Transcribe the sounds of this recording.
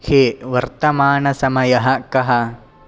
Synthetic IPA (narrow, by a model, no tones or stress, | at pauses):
heːʋɐɾt̪ɐmaːɳɐsɐmɐjɐɦɐ̆kɐɦɐ̆